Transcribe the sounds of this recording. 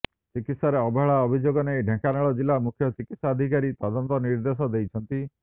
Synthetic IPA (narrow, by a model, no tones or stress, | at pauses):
t͡ʃikit̪saɾeɔbɔɦɭaɔbʱid͡ʒoɡɔneɖʱẽkanaɭɔd͡ʒilːamukʰjɔt͡ʃikit̪sad̪ʱikaɾit̪ɔd̪ɔnt̪ɔniɾd̪es̬ɔd̪ejt͡ʃʰɔnt̪i